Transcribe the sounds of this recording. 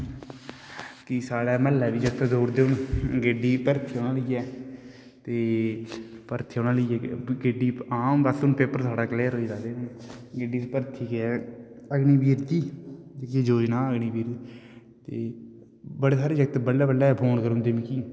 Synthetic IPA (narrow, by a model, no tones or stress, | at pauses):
kisaːɽɛːməlːɛːʋiːd͡ʒəɡt̪d̪oːɾd̪eːʊnɡeːɖiːpəɾt̪ʰiːoːnãːləiːɛː | t̪eː | pəɾt̪ʰiːoːnãːləiɛːɡeːɖiːaːmasʊnpeːpəɾsʰaːɽaːkəleːəɾɦoːiːd̪aːd̪eːʊnɡeːɖiːt̪pəɾt̪ʰiːkɛː | əɡniːbiːɾkiːkiːd͡ʒoːd͡ʒnaːəɡɳiːbiːɾi | t̪eː | bəɽeːsaːɾeːd͡ʒəɡt̪bəlːaːbəlaːpʰoːnkəɾond̪eːmiːkiː